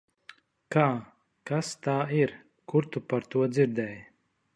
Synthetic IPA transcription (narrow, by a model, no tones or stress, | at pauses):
kaː | kast̪aːiɾ | kuɾt̪upaɾt̪uɔd̪ziɾd̪ɛːj